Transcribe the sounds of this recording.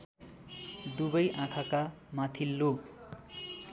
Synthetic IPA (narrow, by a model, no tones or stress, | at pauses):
d̪ubʌjʔãkʰaka | mat̪ʰilːo